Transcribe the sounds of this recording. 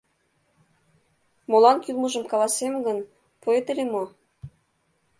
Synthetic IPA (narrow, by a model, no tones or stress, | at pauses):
molɑnkylˠmuʒə̆mkɑlˠɑsemɡən | poet̪elʲemo